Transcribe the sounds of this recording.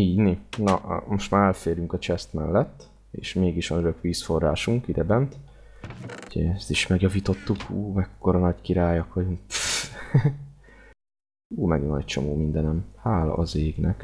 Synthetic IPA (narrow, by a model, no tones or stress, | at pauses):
iːninɒ̰ʔmo̞ʃt̪maːɾɛlfeːɾjyŋkɒt͡ʃɛst̪mɛlːɛt̪ː | ḛːʃmeːɡiʃʋɒnøɾøkʋiːsfo̞rːaːʃuŋkid̪ɛbɛnt̪ | uɟɛɛst̪iʃmɛɡjɒviːt̪o̞t̪ːukʰuːmɛkːoɾɒnɒckiɾaːjɒkʋɒɟuŋk | uːmɛɡnɒ̰c̚t͡ʃo̞̰moːmind̪ɛnɛmhaːlɒ̰ʔɒzeːɡnɛk